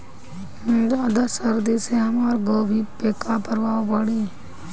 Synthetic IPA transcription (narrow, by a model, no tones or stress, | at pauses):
mɪnd̪aːd̪asəɾd̪iseɦɐmaːɾɡoːbʱiːpeːkaːpəɾʋaːobaɽiː